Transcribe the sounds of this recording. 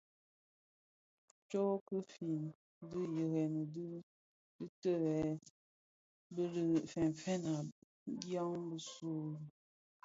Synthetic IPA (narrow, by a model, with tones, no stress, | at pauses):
t͡ʃɔ˦kə˦fi˨n | də˦jə˨ɣɛ˨nə˨də˦ | dɨ˦tə˦wɛ˨˦ | bə˦ɾə˨fɛ˨n˨fɛ˦na˨˦ | dja˦ŋbə˦su˦ɾ